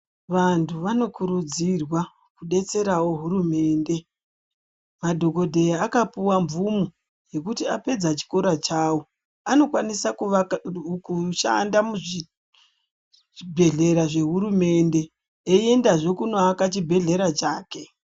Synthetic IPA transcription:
ʋantʰuʋano̞kuɾud͡zirwa | kuɗe̞t͡se̞ɾawo̞ɦuɾume̞ːnde̞ | madʱo̞ko̞dʱe̞jaːkapuwamvumu | je̞kutiape̞d͡zat͡ʃi̥ko̞ɾat͡ʃaːwo | ano̞kwanisak | kuʃa̰ndamuʐi | bʱe̞ɮe̞ɾaʐe̞ɦuɾume̞nde̞ | ee̞ndaʐe̞kunoakat͡ʃibʱe̞ɮe̞ɾat͡ʃaːke̞

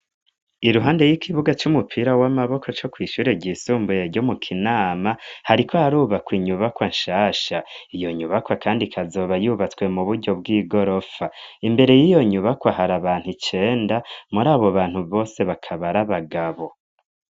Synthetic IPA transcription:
iɾuɦaːnde̞jikʰiβuɡat͡ʃumupʰiɾawamaβo̞kʰo̞t͡ʃo̞kwiːʃuːɾeɟisuːmbujeɟo̞mukʰinaːmahaɾikʰo̞haɾuːβakwiːɲuβakwanʃaːʃaijo̞ɲuβakwakʰaːndikʰazo̞ːβajuβat͡swe̞muβuɾɟo̞bɡiːɡo̞ɾo̞faimbe̞ɾe̞jijo̞ɲuβakwaɦaɾaβaːn̥hut͡ʃe̞ːndamuɾaːβo̞βaːn̥huβo̞ːse̞βakʰaβaɾaβaɡaβo̞

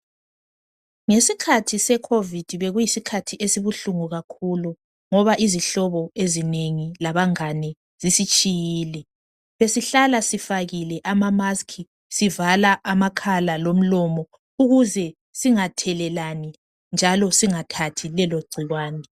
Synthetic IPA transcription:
ŋesikʰatʰisɛkʰovid̥ʱiβeɣujisikʰatʰiʔesiβuɬuŋuɣakʰulu | ŋɔβaʔiziɬɔβɔezineŋilaβaŋanɛ | z̥isit͡ʃʼijiːlɛ | βesiɬalasifaɣilɛʔamamaskʰi | sivalaʔamakʰalalom̩lɔmɔ | uɣuzɛ | siŋatʰɛlɛlani | nd͡ʒʱalɔsiŋatʰatʰilɛloɡ͡ǀʱiɣwaːnɛ

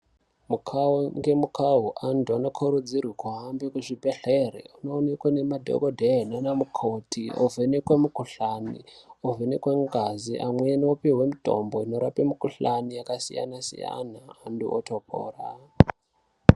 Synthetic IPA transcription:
mukʰauŋɡe̞mukʰaɦuʔandʰuano̞kʰoɾud͡zirwikwaɦambekuʐibeɬerḛunoːnekwanemadʱo̰ɡodʱeɦenanamukʰotʰiʔo̰vʱenekwemukuɬanḭovenekweŋɡaziʔamweniopewemito̞̰mboino̞ɾapemukuɬanijakasḭja̰nasḭja̰naːndṵʔo̰tʰopʰo̰ːra̰

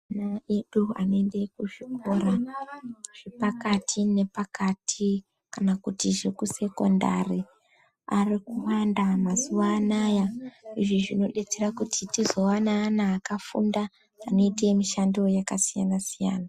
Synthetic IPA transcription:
anae̞ɗua̰noe̞nde̞kuʐiko̞ɾa | ʐ̥e̞pakatʰine̞pakatʰi | kanakutiʐe̞kuse̞ko̞nda̰ri | arikuwandamazuʋaːnajaiʐiʐino̞ɗe̞t͡se̞rakutʰitizo̞wanaːnaːkafṵndaː | no̞iteemiʃandiwo̞jakasija̰nasija̰ːna

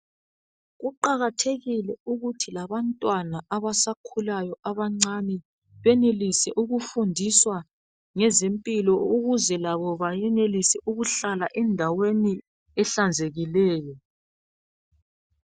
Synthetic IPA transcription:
ɣuǃaɣatʰeɣilɛuɣutʰilaβantʼwanaʔaβasakʰulajɔʔaβaŋ͡ǀanɛ | βɛnelisɛʔuɣufundʱiswa | ŋɛzempʼilɔuɣuzɛlaβɔβajɛnelisɛʔuɣuɬalaʔɛndʱaweni | ɛɬand͡zʱeɣilɛːjɔ

